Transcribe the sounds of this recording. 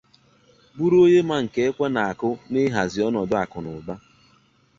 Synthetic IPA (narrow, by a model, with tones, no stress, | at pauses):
bu˦ɾo˦ɲe˦ma˨ŋ̩˨ke˨e˦kʷe˦na˨a˨kʊ˦nɪ˦ɦa˨zɪ˨ɔ˦nɔ˨dʊ˦a˨kʊ˨nʊ˨ɡ͡ba˦